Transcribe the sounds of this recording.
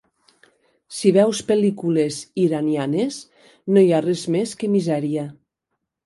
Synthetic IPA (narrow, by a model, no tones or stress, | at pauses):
siβ̞ɛwspelikuleziɾanjanes | nojarezmeskemizɛɾia